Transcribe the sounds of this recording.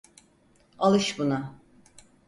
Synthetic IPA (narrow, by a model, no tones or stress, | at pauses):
alˠɯʃbuna